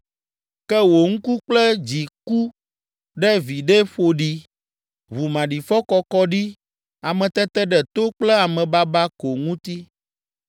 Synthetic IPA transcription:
kɛ˦wo˨ŋũ˦ku˦k͡plɛ˦d͡ʑi˨ku˦ | ɖɛ˦vi˨ɖɛ˦ɸo˨ɖi˦ | βu˨mã˨ɖi˨fɔ˦kɔ˦kɔ˦ɖi˦ | a˨mɛ̃˨t̪ɛ˦t̪ɛ˦ɖɛ˨t̪o˦k͡plɛ˦a˨mɛ̃˨ba˦ba˦ko˨ŋũ˦t̪i˦

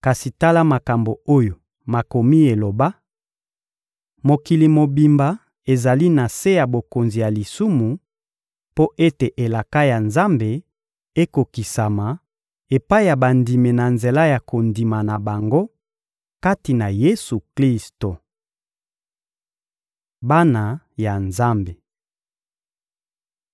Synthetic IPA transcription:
ka˨si˨ta˦la˦ma˨ka˨mbo˨o˦jo˨ | ma˨ko˨mi˦e˨lo˨ba˦ | mo˨ki˨li˨mo˨bi˨mba˨ | e˨za˨li˦na˨se˦ja˨bo˨ko˨nzi˨ja˨li˨su˦mu˨ | po˦ʔe˦te˨ʔe˨la˨ka˦ja˨nza˦mbe˨ | e˦ko˨ki˨sa˨ma˨ | e˨pa˦i˦ja˨ba˨ndi˨me˨na˨nze˨la˦ja˨ko˨ndi˨ma˨na˨ba˨ŋɡo˦ | ka˦ti˨na˨je˦su˨kli˦sto˨ | ba˦na˨ | ja˨nza˦mbe˨

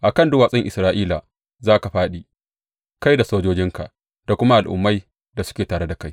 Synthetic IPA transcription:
ʔa˨kɐ˦˨ndʊ˦waː˨sʼɛ˦ŋʔɪ˨sɾaː˦ʔiː˦la˨ | zaː˦ka˨ɸaː˦ɗi˨ | ka˦jda˨soː˦d͡ʒoː˦d͡ʒɪ˦ŋka̰˨ʔ | da˨kʷʊ˦ma˦ʔa˨lʔʊ̰˨mːa˦j | da˨sʊ̥˦kʲeː˨taː˨ɽe˦da˨ka˦j

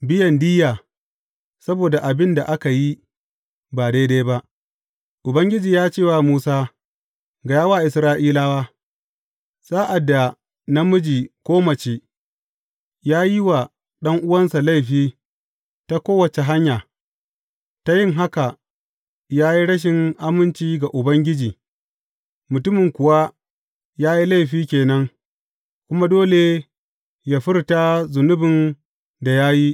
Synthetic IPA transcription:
bɪ˦jɐ˨ndiː˦jaː˨ | sɐ˦boː˨da˨ʔa˨bɪ˦nda˨ʔa˦ka˨ji˦ | baː˨daː˦daː˦jba˦ʔ | ʔʊ˨bɐ˦ŋɡʲɪ˦d͡ʒiː˨jaː˦t͡ʃeː˦˨waː˨muː˦saː˦ | ɡa˨jaː˦waː˦˨ʔɪ˨sɾaː˦ʔiː˦laː˦waː˦ | saː˦ʔa˨dːa˨ | na˦mʊ˦d͡ʒiː˨kʷoː˦mɐ˨t͡ʃeː˦ | jaː˦ji˦wa˨ | ɗɐ˦ŋʔʊ˦wɐ˦nsa˨la˦˨jɸiː˦ | ta˦kʷoː˦wɐ˨t͡ʃe˨ɦa˦ɲjaː˨ | ta˦jɪ˦ŋɦa˦ka˨ | jaː˦ji˦ɽɐ˦ʃ̬ɪ˨ŋʔa˦mɪ˦nt͡ʃiː˦ɡa˨ʔʊ˨bɐ˦ŋɡʲɪ˦d͡ʒiː˨ | mʊ˨tʊ˦mɪ˨ŋkʷʊ˨wa˦ | jaː˦ji˦la˦jɸiː˦kʲeː˨nɐ˦ŋ | kʷʊ˦ma˦doː˦le˨ | ja˦ɸɪ˦rta˦zʊ˨nʊ˦bɪ˨n | da˨jaː˦ji˦

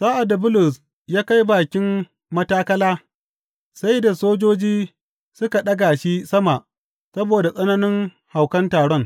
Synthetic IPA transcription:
saː˦ʔa˨dːa˨bʊ˦lʊ˨s | jaː˦ka˦jbaː˨kʲɪ˦m | mɐ˦taː˦kɐ˦laː˦ | sa˦jda˨soː˦d͡ʒoː˦d͡ʒiː˦ | sʊ˦ka˨ɗɐ˦ɡa˨ʃi˦sɐ˦ma˨ʔ | sɐ˦boː˨da˨sʼɐ˦na˦nɪ˦ŋ | ha˨wkɐ˦ntaː˨ɽɔ˦ŋ

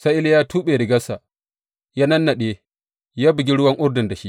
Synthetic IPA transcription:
sa˦ʔɪ˦ljaː˦tuː˦ɓeː˨ɾɪ˨ɡɐ˦sa˨ | ja˦nɐ˦nːa˨ɗeː˦ | jaː˦bɪ˨ɡʲi˦ɽʊ˦wɐ˦ŋʔʊ˦rdɪ˨nda˨ʃi˦ʔ

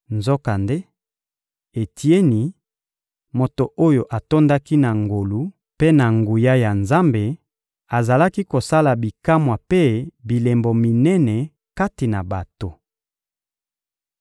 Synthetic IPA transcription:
nzo˦ka˨nde˦ | e˨tʰi˨˦e˦ni˨ | mo˨to˨ʔo˦jo˨ʔa˨to˦nda˦ki˦na˨ŋɡo˨lu˦ | pe˦na˨ŋɡu˨ja˦ja˨nza˦mbe˨ | a˨za˨la˦ki˦ko˨sa˦la˨bi˨ka˦mwa˨pe˦bi˨le˨mbo˨mi˨nɛ˦nɛ˨ | ka˦ti˨na˨ba˨to˨

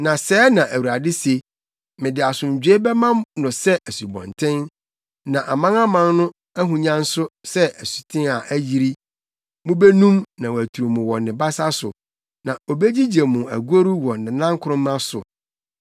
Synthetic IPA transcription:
nã˨sɛː˨˦nã˨ʔæ˨wu˨ɾa˨dɪ˦se˨ | mɪ̃˨dɪ˨a˨sʊ̃˨ɲ̩˨d͡ʑᶣɥe˦bɛ˦mã˦nʊ̃˨sɛ˦ʔæ˨su˨bɔ̰̃˨ntʰɪ̃˦n | nã˨ʔa˨mã˦na˦mã˦nnʊ̃˦ | æ˦ɦũ˨ɲã˦n̩˦sʊ˦sɛ˦ʔæ˨su̥˨tʰɪ̃˦a˨ʔæ˦ji˦ɾi˦ | mʊ̃˦be˦nũ˦mnã˨wɔ˨æ˨tʰu˨ɾu˨mʊ̃˨wɔ˨nɪ̃˨ba˦sa˦sʊ̰˨ | nã˨o˨be˦d͡ʑi˦d͡ʑe˨mũ˨æ̰˨ɡu˦o˦ɾu˦wɔ˨nɪ̃˨nã˦ŋ˦kʰʊ˦ɾʊ̃˦m˦ã˦sʊ̰˨

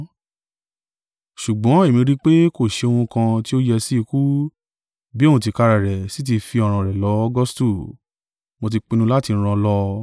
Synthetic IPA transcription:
ʃu˨ɡ͡bɔ̃˨˦e˦˨mĩ˧ɾi˦k͡pe˦ko˦˨ʃe˧o˧wũ˧kã˧ti˦o˦jɛ˧si˦i˧ku˦ | bi˦o˦˨wũ˧˨t̬i˧ka˧ɾa˨ɾɛ˨si˨˦t̬i˧fi˧ɔ˨ɾ̃ã˧˨ɾɛ˨lɔ˨˦ɔ˦ɡɔ˦stu˦˨ | mõ˧t̬i˧k͡pĩ˧nũ˧˦la˦tĩ˧˦˧ã˧lɔ˧˦

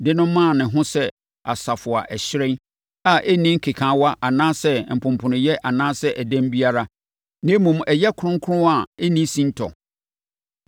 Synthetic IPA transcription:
dɪ˦nʊ̃˦mːã˦˨nɪ̃˨ɦʊ̃˦sɛ˦ | a˨sa˨fʊ˨a˨ʔɛ˨ɕɪ˦ɾɪ̃˦n | a˨ʔe˦nĩ˦ŋ̩˦kʰe˨kʰãː˨˦wa˦ʔa˨nãː˦sɛ˦m̩˨pʰʊ̃˨m˨pʰʊ̃˨nʊ̃˨jɛ˦ʔa˨nãː˦sɛ˦ʔæ˨dæ̃˦m˦bi˦a˦ɾa˦ | nɪ̃˦mũ˨mɛ˨jɛ˦kʰʊ˦ɾʊ̃˦ŋ˦kʰʊ˦ʊ̃˦a˨e˦nĩ˦sĩ˦n˦tʰɔ̰˨

